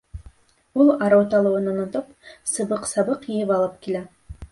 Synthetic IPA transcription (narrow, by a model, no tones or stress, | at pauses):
ulˠɑɾowt̪ɑlˠuwɤnunŏt̪upsɤ̆bɤqsɑbɤqijɘpɑlˠɤp̚kilæ